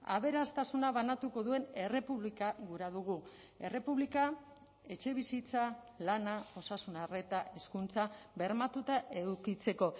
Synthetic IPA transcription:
a̰β̞e̞ɾast̪asunaβanat̪uko̞ðue̞ne̞re̞puβlikaɣuɾaðuɣ̞u | e̞re̞puβlika | e̞t͡ʃe̞β̞isit͡sa | lanao̞sasunare̞t̪ae̞skunt͡saβe̞ɾmat̪ut̪aʔe̞ðukit͡se̞ko̞

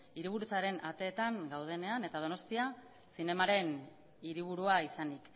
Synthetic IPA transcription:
iɾiβ̞uɾut͡saɾe̞nʔat̪e̞ːt̪aŋɡawð̞e̞ne̞ane̞t̪að̞o̞no̞st̪ia | sine̞maɾe̞n | iɾiβ̞uɾuaisanik

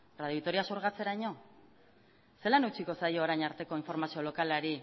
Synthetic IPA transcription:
raðjoit̪o̞ɾiasoɾɣat͡se̞ɾajɲo̞ | se̞lanet͡siko̞sajo̞ːɾajɲaɾt̪e̞ko̞iɱfo̞ɾmasio̞lo̞kalaɾi

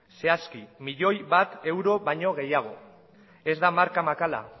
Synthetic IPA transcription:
se̞askimiʎo̞jβat̪e̞wɾo̞βajɲo̞ɣ̞e̞jaɣ̞o̞ | e̞zd̪amaɾkamakala̰

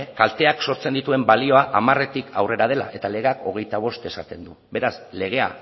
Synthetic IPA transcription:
kalt̪e̞akso̞ɾt͡send̪it̪ue̞mbalio̞aʔamare̞t̪ikʰawre̞ɾað̞e̞la̰ʔe̞t̪ale̞ɣako̞ɣ̞e̞jt̪aβ̞o̞st̪e̞sat̪e̞nd̪ube̞ɾasle̞ɣ̞e̞a̰

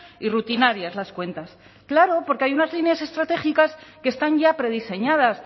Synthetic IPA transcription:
irut̪inaɾjazlaskwe̞nt̪as | klaɾo̞poɾkeajunazlinjase̞st̪ɾat̪e̞χikaske̞st̪aɲʝapɾe̞ðise̞ɲað̞as

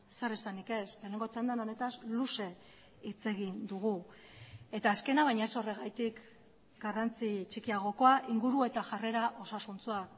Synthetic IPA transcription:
se̞risanike̞slene̞ŋɡot͡ʃand̪ano̞ne̞t̪asluse̞ | it͡se̞ɣ̞ind̪uɣ̞u | e̞t̪aːske̞naβ̞ajɲaeso̞re̞ɣajt̪ik | ɡ̥arant͡sit͡ʃikiaɣ̞o̞ko̞aʔiŋɡuɾue̞t̪aʝare̞ɾaʔo̞sasunt͡suak

